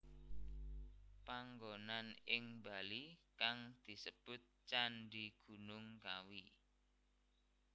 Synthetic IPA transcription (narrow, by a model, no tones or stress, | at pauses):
paŋɡonanɪŋbalikaŋd̪̥i̤səb̥ʊt̪̚t͡ʃanɖiɡ̥ṳnʊŋkawi